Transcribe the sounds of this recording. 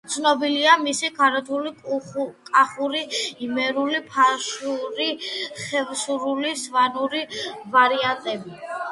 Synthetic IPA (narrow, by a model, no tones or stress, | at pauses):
t̪sʰnɔbiliamisikʰaɾɔt̪ʰulikʼaχuɾiimɛɾulipʰaʃuɾiχɛvsuɾulisvanuɾivaɾiant̪ʼɛbi